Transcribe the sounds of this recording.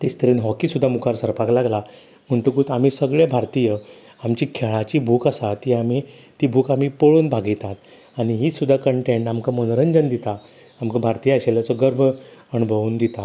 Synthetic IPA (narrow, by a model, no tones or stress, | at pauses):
t̪est̪əɾinɦɔkisud̪ʱːamukʰaɾsəɾpaklaɡla | m̤əɳt̪ukuːt̪am̤iːsəɡɭebʱaɾt̪ijə | amt͡ɕikʰeɭat͡ɕiːbʱuːkəsat̪iːami | t̪ibʱuːkam̤iːpəɭuːnbʱaɡit̪at̪ | aɽ̃iɦiːsud̪ʱːakəɳʈẽɳʈamkamənɾənd͡ʑənd̪it̪a | amkabʱaɾt̪ijəːɕeləsɔɡəɾbʱəənubʱəʋuːnd̪it̪a